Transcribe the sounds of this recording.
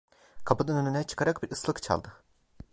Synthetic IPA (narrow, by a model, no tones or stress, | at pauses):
kʰapɯd̪ɯnønynɛt͡ʃʰɯ̥kʰaɾak̚biɾɯslˠɯkt͡ʃʰa̰lˠd̪ɯ